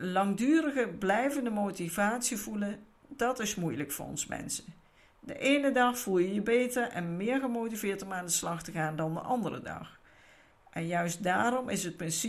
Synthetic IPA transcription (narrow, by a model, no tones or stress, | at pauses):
lɑŋdyːrəɣəblɛjvəndəmowtivaːtsivulən | dɑtɪsmujləkfʊ̰ːrɔ̰nzmɛ̰nsə | də̰ʔejnədɑχfulˠjəjəbejtəɹɛ̰nmɪːɹχəmowtivɪːɹtɔmaːndəslɑχtəχaːndɑndə̰ʔɑndərə̰dɑ̰χ | ʔɛnjœɥsdaːrɔmʔɪsɦət̚prɪns